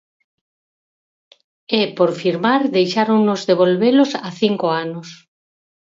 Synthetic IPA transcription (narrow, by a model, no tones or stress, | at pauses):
ɛpoɾfiɾmaɾðejʃaɾonozðeβ̞olβelosaθiŋkoanos